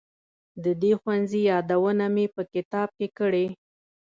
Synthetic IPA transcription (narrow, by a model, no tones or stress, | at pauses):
d̪əd̪exwanzijɑd̪awənamepəkɪt̪ɑb̚kekəɽe